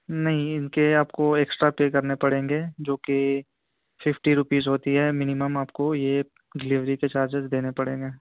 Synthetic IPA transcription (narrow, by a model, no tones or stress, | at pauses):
nɐɦĩɪnkeaːpkoeːksʈɾapeːkɐɾnepɐɽẽːŋɡeːd͡ʒoːke | fɪfʈiɾʊpiːzɦoːt̪iɦɛmɪnɪməmaːpkoje | ɡɪliʋɾiket͡ʃaːɾd͡ʒɪzd̪eːnepɐɽẽːŋɡeː